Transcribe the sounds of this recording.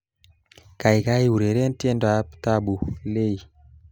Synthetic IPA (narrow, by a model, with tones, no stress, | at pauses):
ka˨ɪ˨ka˦i˦u˨ɾe˨ɾe˦ntje˦ndo˨a˨pta˦bu˨le˦i˨